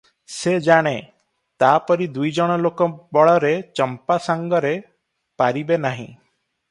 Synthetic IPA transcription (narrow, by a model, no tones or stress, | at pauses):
sed͡ʒaɽ̃e | t̪apɔɾid̪ujd͡ʒɔɽ̃ɔlokɔbɔɭɔɾet͡ʃɔmpasaŋɡɔɾe | paɾibenaɦḭ̃